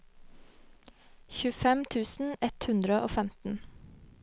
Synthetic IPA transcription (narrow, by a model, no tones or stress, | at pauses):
çʉːfɛmt̪ʰʉːsn̩ɛt̪hʉnd̪ɾəʔoːfɛmt̪n̩